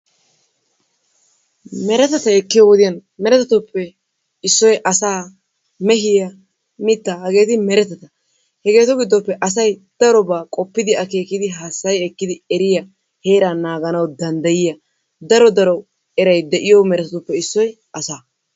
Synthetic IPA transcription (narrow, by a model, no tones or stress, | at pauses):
mɛɾɛt̪ɐt̪ɐɛkːɪjɔwd̪ɪjɐnmɛɾɛt̪ɐt̪ʊpːɛ | ɪsːɔjʔɐsaː | mɛɦɪjɐ | mɪt̪ːahɐɡe̞ːt̪ɪmɛɾɛt̪ɐt̪ɐ | hɛɡe̞ːt̪ɔɡɪd̪ːɔpːɛʔɐs̬ɐjd̪̥ɐɾɔbaːkʼɔpːɪd̪ɪɐke̞ːkɪd̪ɪɦaːsːɐjɛkːɪd̪ɪɛɾɪjɐ | he̞ːɾaːnaːɡɐnɐwd̪ɐnd̪ɐjɪjɐ | d̪ɐɾɔd̪ɐɾɔ | ɛɾɐjd̪ɛʔɪjɔmɛɾɛt̪ɐt̪ʊpːɛɪsːɔj | ʔɐsaː